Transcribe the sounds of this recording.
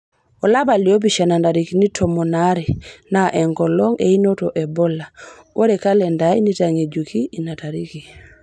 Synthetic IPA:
ɔlabaliobiʃanandaɾikinitʰomonaɾinaʔɛŋɡɔlɔŋḛinotɔʔɛbɔlawoɾɛkalɛndaḭnitaŋed͡ʒukʰiinataɾiki

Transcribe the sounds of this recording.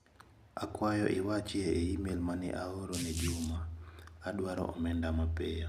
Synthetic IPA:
a̰kwajɔ̰ʔɪwat͡ʃeːimelmanɛ̰ʔaoɾoned͡ʒumaːdwaɾɔ̰ɔ̰mɛndamapɛj

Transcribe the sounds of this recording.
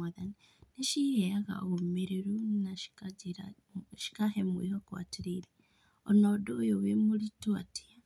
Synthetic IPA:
aðani | neʃihɛaɣa̰oɣomeɾeɾunaʃi̥kaiɾa | ʃi̥kaɦɛmwḭhɔkwa̰tiɾiɾe | ɔnɔdoːjowemoɾitwati̥a

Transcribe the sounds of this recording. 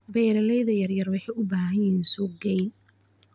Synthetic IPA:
bɛjɾɐlɛjðɐjɐrjɐrwɑħɑjʊbaːɦɐnjɪɦiːnsʊɡɛjn

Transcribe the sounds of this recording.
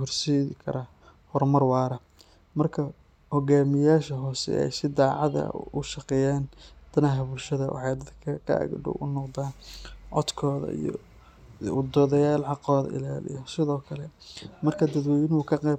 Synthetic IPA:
hʊrsiːɪkʰɐ̰ɾa | hɔrmɐrwɑːɾɐ | mɐrkʰɐ | hɔɣaːmɪjaːʃɐɦɔːsɛ̰ʔɛ̰jsɪd̪aːʕɑðɐ̰ʊʃɑqɛjaːnd̪̥ɐnɐɦɐbʊlʃɐðɐwɑ̰ħɑjd̪ɐd̪kʰɐkʰɐ̰ɐ̰ɡɖʊ̰wʔʊnɔqd̪aːnʕɔ̰d̪kʰɔːðɐ̰ḭjɔ̰ | ʊd̪ɔːðɐjaːlʕɑqɔːðɐ̰ɪ̰laːlɪ̰jɐsɪðɔːkʰɐlɛmɐrkʰɐd̪ɐd̪wɛjɪnukʰɐqɛ

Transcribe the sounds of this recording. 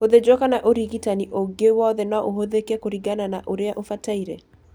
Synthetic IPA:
oðed͡ʒɔkanaʔoɾiɡitaniʔoɡewɔðenɔʔoɦoðekakoɾiɡananaʔoɾeaʔofataiɾḛ

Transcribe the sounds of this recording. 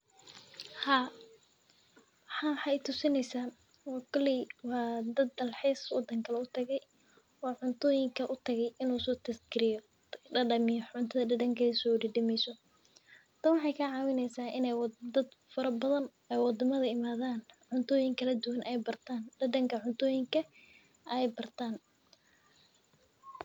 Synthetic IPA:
haː | ħɑħɑɛt̪ʰʊsɪnɛjsaː | wɔːkʰɔlɪwɑːd̪ɐd̪ːɐlħɛːswɑ̰d̪ːɐŋkʰɐlɛʊt̪ʰɐɣɛj | wɑːʕʊnt̪ʰɔːjɪŋkʰɐʔʊt̪ʰɐɣɛjɪnuːsɔːt̪ʰɐsɡɪɾɪjɔ | ɖɐɖɐmɪjʕʊnt̪ʰɐðɐɖɐɖɐŋkʰɛsɔwɖɪɖɪmɛjsɔ | t̪ʰɐnwɑħɑjkʰɐʕɑːwɪnɛjsaːʔɪnɛjwd̪ɐd̪fɐɾɐbɐðɐn | ɛjwɑd̪ɐmɐðɐɪmaːðaːnʕʊnt̪ʰɔːjɪŋkʰɐlɐd̪ʊwɐnʔɛjbɐrt̪ʰaːnɖɐɖɐŋkʰɐʕʊnt̪ʰɔːjɪŋkʰɐ | ʔɛjbɐrt̪ʰaːn

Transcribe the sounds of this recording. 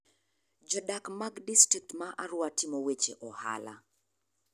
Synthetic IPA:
d͡ʒɔdakmaɡdistik̚tmaʔaɾʊwatɪmɔwet͡ʃeʔɔha̰la̰

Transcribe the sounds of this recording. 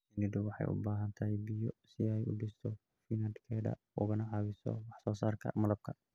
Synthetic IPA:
sɪnɪdʊwɑħɑ̰jʔʊ̰baːɦɐnt̪ʰɐɦɛjbɪjɔsɪɛjʊɖɪst̪ʰɔ | finɐnd̪kʰɛːɖɐ̰ | ʊ̰ɣɐnɐʕɑːβɪsɔ̰wɑħsɔːsaːrkʰɐ̰mɐlɐb̚kʰɐ

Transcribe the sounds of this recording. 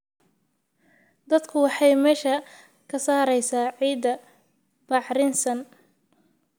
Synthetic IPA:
d̪ɐd̪kʰʊwɑħɑjmɛːʃɐ | kʰɐsaːɾɛjsaːʕiːd̪ɐ | b̥ɑħɾɪnsɐn

